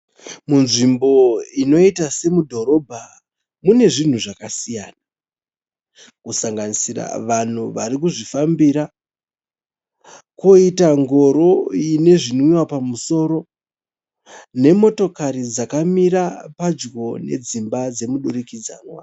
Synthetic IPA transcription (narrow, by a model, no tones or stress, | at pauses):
munʐimbo̞ino̞itase̞mudʱo̞ɾo̞bʱa | mune̞ʐin̤uʐakasijaːna | kusaŋɡanisira̰ʋan̤uʋaɾik̬uʐifambiɾa | koitaŋɡo̞ɾo̞ine̞ʐinwiwapamuso̞ːɾo̞ | ne̞mo̞to̞kaɾid͡zakamiɾapad͡ʒɡo̞ne̞̰d͡zimbad͡ze̞muɗuɾikid͡za̰ːnwa